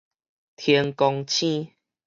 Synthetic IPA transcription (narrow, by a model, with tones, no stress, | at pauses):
t̪ʰe˧ŋkɔ˧ŋt͡ɕʰĩ˦˧˨